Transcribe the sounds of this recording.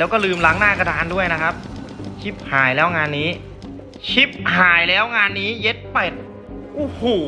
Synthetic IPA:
ɛ˦˥wkɔː˥˩lɯː˧mla˦˥ŋnaː˥˩ka˧daː˧ndu˥˩əjna˦˥kʰa˦˥p̚t͡ɕʰi˦˥p̚haː˨˩jlɛː˦˥wŋaː˧nːiː˦˥ | t͡ɕʰi˦˥p̚haː˨˩˦jlɛː˦˥wŋaː˧nːiː˦˥je˦˥t̪̚pe˨˩t̪̚ | ʔu˧˩huː˨˩

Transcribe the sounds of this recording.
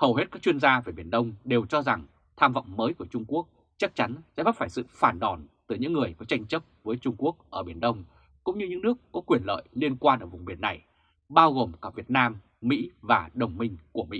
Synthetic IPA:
hə˨˩whe˦˥t̚kaː˦˥k̚t͡ɕwi˧ənzaː˧ve˨˩ɓi˧˩ənɗə˧wŋ͡mɗe˨˩wt͡ɕɔ˧za˨˩ŋ | t̪ʰaː˧mvə̰˧˨wŋ͡mməː˨˦jku˧˩ət͡ɕʊ˧ŋ͡mku˦˥ək̚ | t͡ɕa˦˥k̚t͡ɕa˨˦nsɛ̰˧˥ɓa˦˥faː˧˩jsɨ̰˧˨faː˧˩nɗɔ˨˩nt̪ɨ˧˩ɲɨ̰˧˥ŋːɨ˨˩əjkɔ˨˦t͡ɕa˧jŋ̟t͡ɕə˦˥p̚vəː˨˦jt͡ɕʊ˧ŋ͡mku˦˥ək̚ʔəː˧˩ɓi˧˩ənɗə˧wŋ͡m | kʊ̰˧˥ŋ͡mɲɨ˧ɲɨ̰˧˥ŋnɨ˦˥əkːɔ˨˦kwi˨˩ənlə̰ː˧˨jli˧ənkwaː˧nʔəː˧˩vʊ˨˩ŋ͡mɓi˧˩ənːa˨˩j | ɓaː˧wɣo˨˩mkaː˧˩vi˨˩ət̚naː˧m | mḭ˧˥vaː˨˩ɗə˨˩wŋ͡mmï˧ŋ̟ku˧˩əmḭ˧˥

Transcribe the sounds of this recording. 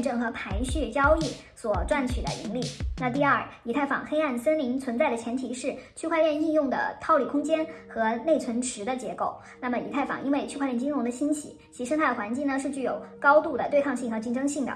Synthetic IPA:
nʈ͡ʂɤ˥˩ŋxɤ˧˥pʰa˧˥nɕy˥˩t͡ɕjɑ˥ʊi˥˩ | swɔ˨˩ʈ͡ʂwa˥˩nt͡ɕʰy˨˩d̪ə̰˦ʔḭ˧˥ŋli˥˩na˥˩t̪̬i˥˧ɐ˞˥˩i˨˩t̪ʰa˥˩ɪfɑ̰˨˩ŋxe˥ɪa˥˩nsə˥nli˧˥ŋt͡sʰwə˧˥nt͡sa˥˩ɪɾə˩t͡ɕʰjɛ˧˥nt̪ʰi˧˥ʂɻ̩˥˩t͡ɕʰy˥˧kʰwa˥˧ljɛ˥˧ni˥˧njʊ˥˩ŋd̪ə̰˩t̪ʰɑ˥˧ʊli˥˩kʰʊ˥ŋt͡ɕjɛ˥nxɤ˧˥ne˥˩ɪt͡sʰwə˧˥nʈ͡ʂʰɻ̩˧˥d̪ə˧t͡ɕjɛ˧˥ko˥˩ʊ | na˥˩mə˩ḭ˨˩t̪ʰa˥˩ɪfɑ̰˨˩ŋʔi˥nwe˥˧ɪt͡ɕʰkwljnt͡ɕi˥njʊ˧˥ŋd̪ə˧ɕi˥nt͡ɕʰḭ˧˩˦t͡ɕt͡ɕʰi˧˥˧ʂŋt̪ʰa˥˩ɪə˩wa˧˥nt͡ɕi˥˩ŋnə˩ʂɻ̩˥˧t͡ɕy˥˩jo˨˩ʊkɑ˥ʊt̪u˥˩d̪ə˩t̪we˥˧ɪkʰɑ˥˧ŋɕi˥˩ŋxɤ˧˥t͡ɕi˥˩ŋʈ͡ʂɤ˥ŋɕi˥˩ŋd̪ə̰˩

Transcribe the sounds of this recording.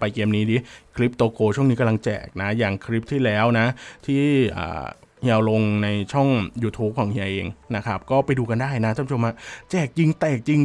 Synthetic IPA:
pa˧jkeː˧mniː˦˥diː˦˥kʰli˦˥p̚t̪oː˧kʰoː˧t͡ɕʰu˥˩ŋniː˦˥ka˧mla˧ŋt͡ɕɛ̰ː˨˩k̚na˦˥jaː˨˩ŋkʰɾi˦˥p̚t̪ʰiː˥˩lɛː˦˥wna˦˥t̪ʰiː˥˩ʔa̰ː˨˩ | ɲɛː˧wlo˧ŋna˧jt͡ɕʰɔ˥˩ŋjuː˧t̪ʰuː˦˥p̚kʰɔː˩˦ŋhi˧a˧ʔḛː˧ŋna˦˥kʰa˦˥p̚kɔː˥˩pa˧jduː˧ka˧ndaː˥˩jna˦˥t̪ʰaː˥˩˦t͡ɕʰo˧ma˦˥t͡ɕɛː˨˩k̚t͡ɕi˧ŋt̪ɛː˨˩k̚t͡ɕi˧ŋ

